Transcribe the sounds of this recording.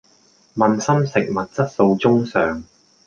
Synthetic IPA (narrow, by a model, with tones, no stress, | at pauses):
mɐ˨nsɐ˥msɪ˨k̚mɐ˨t̚t͡sɐ˥t̚so˧wt͡sʊ˥ŋsœː˨ŋ